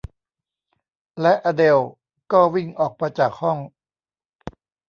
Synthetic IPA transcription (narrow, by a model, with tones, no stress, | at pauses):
lɛ˦˥ʔaː˧de˧w | kɔː˥˩wi˥˩ŋʔɔː˨˩k̚pa˧jt͡ɕaː˨˩k̚hɔ˥˩ŋ